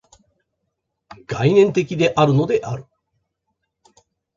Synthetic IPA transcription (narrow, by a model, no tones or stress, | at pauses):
ɡ̥ainẽ̞nt̪e̞k̬ʲid̪e̞ʔaɾɯ̟no̞d̪e̞ʔaɾɯ̟